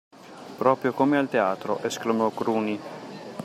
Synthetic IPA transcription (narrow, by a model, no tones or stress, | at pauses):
pɾɔːpɾjokomealt̪eaːt̪ɾo̰ʔesklamɔkɾuːni